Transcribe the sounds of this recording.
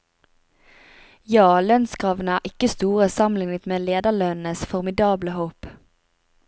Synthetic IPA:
jɑːlœnskʁɑːʋn̩əæːʁʔɪkəst̪uːʁəsɑmlɪŋət̪meːleːd̪əɭœnn̩əsfɔʁmɪd̪ɑːbləhoːp

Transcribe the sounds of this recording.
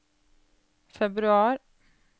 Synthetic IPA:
fɛbɾʉɑːɾ

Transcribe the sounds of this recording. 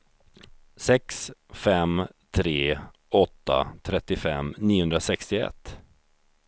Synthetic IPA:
sɛksfɛm | t̪ʰɾeː | ɔt̪ːa̰t̪ʰɾɛt̪ːɪfɛ̰mniːhɵnd̪ɾasɛkst̪ɪɛ̰t̪ː

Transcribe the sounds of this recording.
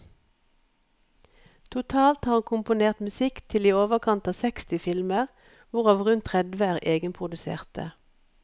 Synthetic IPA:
t̪ʰʊt̪ʰɑːlt̪hɑːʁɑnkʰʊmpʊneːʁt̪mʉsɪkt̪ʰɪliːoːʋəkʰɑnt̪ɑːsɛkst̪ɪfɪlməʁ | ʋʊʁɑːʋʁʉnt̪ʰʁɛd̪ʋəæːʁeːɡənpʰʁʊd̪ʉsḛːʁt̪ʰə̰

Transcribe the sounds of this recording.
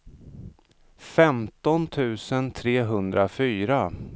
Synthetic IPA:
fɛmt̪ɔnt̪ʰʉ̟ːsənt̪ʰɾeːɦɵnd̪ɾafyːɾa

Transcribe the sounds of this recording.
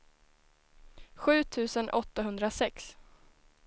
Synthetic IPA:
ɧʉ̟ːt̪ʰʉ̟ːsənʔɔt̪ːaɦɵnd̪ɾasɛks

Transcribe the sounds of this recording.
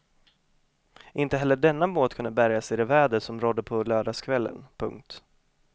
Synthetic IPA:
ʔɪnt̪əɦɛlːəɖɛnːamoːt̪kʰɵnd̪əbæɾjasɪd̪ɛvæːɖ̪əsɔmɾɔd̪ːəpʰɔløːɖaskʰvɛlːə̰npʰɵ̰ŋk̚t̪

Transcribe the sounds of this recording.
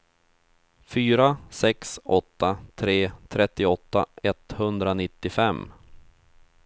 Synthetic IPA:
fyːɾasɛksʔɔt̪ːat̪ʰɾeːt̪ʰɾɛt̪ːɪɔt̪ːaɛt̪hɵnd̪ɾanɪt̪ːɪfɛmː

